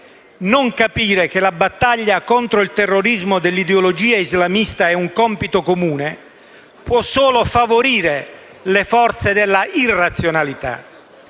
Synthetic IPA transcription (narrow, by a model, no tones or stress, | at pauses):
noŋkapiːɾek̟ɪlabat̪ːaʎːakɔnt̪ɾoilt̪ɛrːoɾizmod̪ɪlːid̪eolod͡ʒiːaizlamist̪aɛuŋkɔmpit̪okomuːne | pwɔsːoːlofavoɾiːɾe | lefɔrt̪sed̪ɪlːairːat̪sːjonalit̪a̰